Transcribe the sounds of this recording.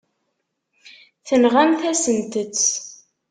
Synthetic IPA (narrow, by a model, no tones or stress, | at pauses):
θənʁæmθæsənt̪ət͡sː